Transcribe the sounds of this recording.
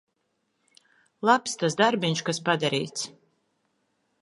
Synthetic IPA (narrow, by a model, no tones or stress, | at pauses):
lˠapst̪as̬d̪aɾbinʃkaspad̪aɾḭːt̪s